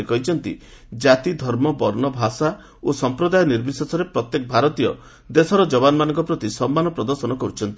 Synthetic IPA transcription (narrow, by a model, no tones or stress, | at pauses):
ekɔɦit͡ʃʰɔnt̪ḭ | d͡ʒat̪id̪ʱɔɾmɔbɔɾnɔbʱasa | osɔmpɾɔd̪ajɔniɾbisɔsɔɾepɾɔt̪jekɔbʱaɾɔt̪ijɔ | d̪esɔɾɔd͡ʒɔbanɔmanɔŋkɔpɾɔt̪isɔmːanɔpɾɔd̪ɔɾsɔnɔkɔɦit͡ʃʰɔnt̪i